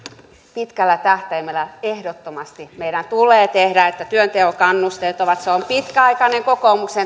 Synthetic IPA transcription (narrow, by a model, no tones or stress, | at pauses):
pit̪kælːæt̪æht̪æimelːæehdot̪ːomɑst̪imeiɾænt̪ulˑeːt̪ehɾæet̪ːæt̪yønt̪ehokɑnːust̪elt̪oʋɑt̪seompit̪kæɑikɑneŋkokoːmuksen